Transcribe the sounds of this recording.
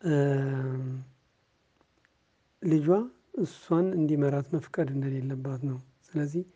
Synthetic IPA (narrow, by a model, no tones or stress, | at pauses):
lɨd͡ʒa | ɨswanɨnd̪iməɾat̪məfkʼəd̪ɨnd̪əle̞lːəbːat̪nəw | sɨləzːih